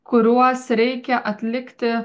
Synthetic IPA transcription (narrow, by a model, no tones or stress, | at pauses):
kʊɾʲuɔsɾʲɛɪkʲɛʔɐt̪ʲlʲɪkt̪ʲɪ